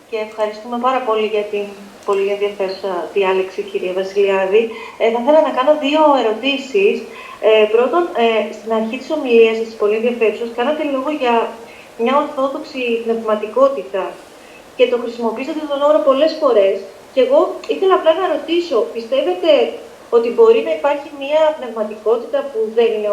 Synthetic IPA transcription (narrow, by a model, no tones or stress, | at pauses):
ce̞ːfxɐɾist̪ume̞pɐɾɐpo̞liʝɐt̪in | po̞lienðʝɐfe̞ɾusɐðiɐliksiciɾiɐvɐsiliɐðiθɐθe̞lɐnɐkɐno̞ðio̞e̞ɾo̞t̪isis | pɾo̞t̪o̞nst̪inɐɾçit̪i̥so̞miliɐsɐst̪i̥spo̞lienðjɐfe̞ɾusɐskɐnɐt̪e̞lo̞ɣo̞ʝɐ | mɲɐo̞ɾθo̞ðo̞ksipne̞vmɐt̪iko̞t̪it̪ɐ | ce̞t̪o̞xɾisimo̞piiset̪et̪onoɾopo̞le̞sfo̞ɾe̞s | ce̞ɣo̞iθe̞lɐːplɐnɐeɾo̞t̪iso̞pist̪e̞ve̞t̪e̞ | o̞t̪ibo̞ɾinɐipɐɾçimiɐpne̞vmɐt̪iko̞t̪it̪ɐpuðe̞nine